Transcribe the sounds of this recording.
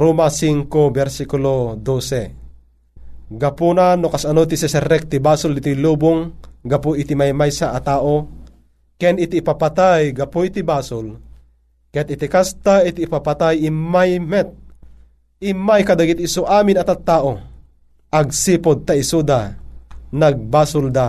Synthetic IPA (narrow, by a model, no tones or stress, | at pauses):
ɾumasiŋkobɛɾsikulod̪osɛ | ɡapunanokasanot̪isɛsɛɾɛk̚t̪ibaːsʊldit̪ilubʊŋɡapoʔit̪imajmajsaʔːt̪aːʔo | kɛnit̪iːpapat̪ajɡɐpoit̪ibaːsol | kɛt̪it̪ikast̪ait̪iːpapat̪ajimajmɛt̪̚ | imajkad̪aɡit̪ːsoʔaːminɐt̪at̪ːaːʔo | ʔaɡ̚siːpod̪̚t̪aisud̪a | naɡ̚baːsʊld̪a